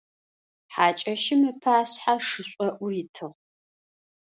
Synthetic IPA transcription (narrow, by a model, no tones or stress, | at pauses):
ħaːt͡ʃʼɐʃɪmɨpʰaːɕħaʂɨɕʷʼɔʔʷʊritʰɨʁ